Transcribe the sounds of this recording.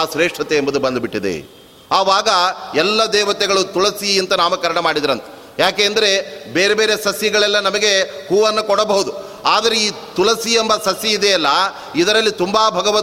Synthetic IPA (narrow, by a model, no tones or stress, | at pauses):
aːʃɾeːʂʈʰɐt̪eːmbɐd̪ubɐnd̪biʈːid̪ḛ | aːʋaːɡɐɛlːɐd̪ɛːʋɐt̪ɛɡɐɭut̪ulɐsiint̪ɐnaːmɐkɐɾɐɳɐmaːɽid̪iɾɐnt̪ɐ̥ | jaːkeːɐnd̪ɐɾe̞beːɾebeːɾesɐsjɐɡɐɭɛlːɐnɐmɐɡe̞huːʋɐnːukɔɽɐbɐɦud̪u | aːd̪ɐɾeiː | t̪ulɐsiembɐsɐsjɐid̪eːlːɐ | id̪ɐɾɐlːit̪umbaːbʱɐɡɐʋɐ